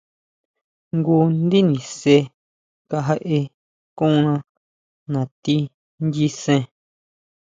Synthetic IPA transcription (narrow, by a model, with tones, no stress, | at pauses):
ŋɡu˧nd̪i˦nĩ˨se˧ | ka˧ɦa˧ʔe˧ | kũ˦˧nã˧ | nã˨t̪i˧ | nd̪i˦sẽ˧